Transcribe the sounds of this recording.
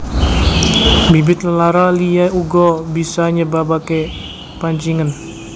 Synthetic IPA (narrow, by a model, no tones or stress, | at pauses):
bibɪt̪̚ləlaɾaliauɡɔbisaɲəbabake | paɲt͡ʃiŋən